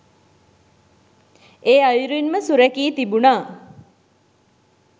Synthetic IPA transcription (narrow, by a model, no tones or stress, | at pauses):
eːajuɾuinməsuɾækiːt̪ibunaː